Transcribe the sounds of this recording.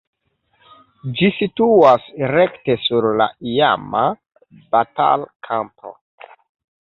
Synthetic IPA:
d͡ʒisituasɾe̞kte̞suɾla̰ija̰ma | bata̰lkʰampo̞̰

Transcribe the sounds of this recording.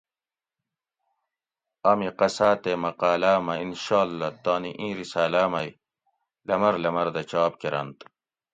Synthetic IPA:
ɐmiqɐsaːt̪emɐqaːlaːmɐinɕaːlːɐt̪aːniʔĩːɾisaːlaːmɐj | lɐmɐɾlɐmɐɾd̪ɐt͡ɕaːp̚keɾɐ̰nt̪

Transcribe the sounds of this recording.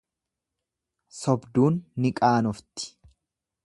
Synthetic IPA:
sɔbd̪uːnːɪkʼaːnɔft̪ɪ̥

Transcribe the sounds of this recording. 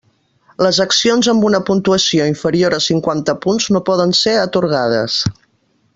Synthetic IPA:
ləzəksionzəmbunəpunt̪uəsioiɱfəɾioɾəsiŋkwant̪əpunznopɔðənseɾət̪uɾɣað̞ə̰s

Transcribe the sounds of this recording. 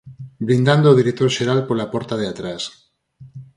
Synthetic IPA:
bɾĩnd̪and̪oðiɾek̚t̪oɾʃeɾalpolapoɾt̪aðeat̪ɾas

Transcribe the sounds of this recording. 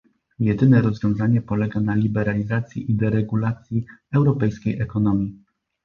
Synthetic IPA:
jɛd̪ɘnɛɾɔzvʲjɔ̃w̃zaɲɛpɔlɛɡanalʲibɛɾalʲizat̪sʲjḭʔid̪ɛɾɛɡulat̪sʲjiɛwɾɔpɛjskʲejʔɛkɔnɔmʲji

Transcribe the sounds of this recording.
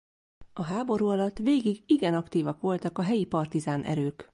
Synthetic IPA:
ɒɦaːbo̞ɾuːɒlɒt̪ːʋeːɡiɡiɡɛnɒkt̪iːvɒkʋo̞lt̪ɒkɒɦɛjipɒrt̪izaːnʔɛ̰ɾøːk

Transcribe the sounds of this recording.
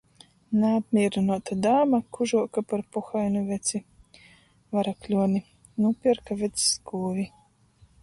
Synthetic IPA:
naːb̪mʲiːɾinuɔt̪ad̪aːmakuʒuɔkapaɾpuxajnuvʲɛt̪si | vaɾaklʲuɔni | nupʲiɾkavʲɛt̪sskuːvʲi

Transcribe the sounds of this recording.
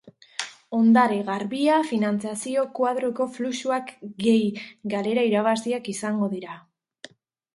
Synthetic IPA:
o̞nd̪aɾeɣaɾβiafinant͡siasio̞kwað̞ɾo̞ko̞flusuakɡe̞jɡale̞ɾaiɾaβasiakisaŋɡo̞ðiɾa

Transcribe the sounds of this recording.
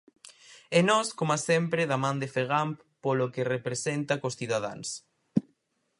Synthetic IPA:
enɔskomasempɾeðamãnd̪efeɣ̞amp | polokerepɾesent̪akosθiðað̞a̰ns

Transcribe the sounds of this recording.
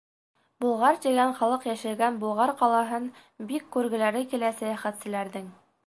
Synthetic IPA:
bulˠʁɑɾt̪ĭɡænχɑlˠɤqjæʃɘ̆lɡænbulˠʁɑɾqɑlˠɑɦɤn | bikːʉɾɡɘ̆læɾɘkilæsæjæχæt̪sɘ̆læɾðɘŋ

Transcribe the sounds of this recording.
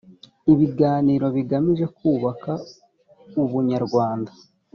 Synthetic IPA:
iβiɡaːniːɾo̞βiɡamiʒe̞kuːβaka | uβuɲaɾɡwaːnda

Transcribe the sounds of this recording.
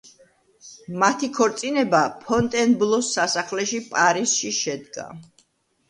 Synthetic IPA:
mat̪ʰikʰɔɾt̪sʼinɛbapʰɔnt̪ʼɛnblˠɔsːasaχlɛʃipʼaɾiz̥ʃiʃɛd̪ɡa̰

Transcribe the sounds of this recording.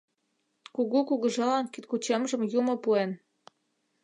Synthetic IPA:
kuɣukuɣɤ̆ʒɑlɑnkit̪̚kut͡ɕemʒə̆mjumɤ̆puen

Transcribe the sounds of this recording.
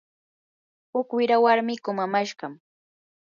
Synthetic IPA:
hʊkwɪɾawaɾmɪkʊmamaʃɢɑm

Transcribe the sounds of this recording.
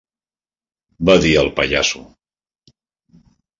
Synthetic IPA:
baðiəlˠpəʎa̰su

